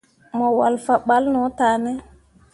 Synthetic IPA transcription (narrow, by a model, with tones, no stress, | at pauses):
mɔ˨wa˨lfa˨ɓa˦lnɔ˨˦taː˨nɛ˦